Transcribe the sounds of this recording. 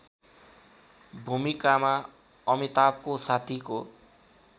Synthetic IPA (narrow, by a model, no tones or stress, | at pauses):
bʱumikama | ʌmit̪ap̚kosat̪ʰiko